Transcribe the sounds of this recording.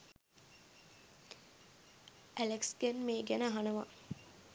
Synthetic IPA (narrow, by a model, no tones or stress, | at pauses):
ʔæleksɡænmeːɡænəɦanəʋa̰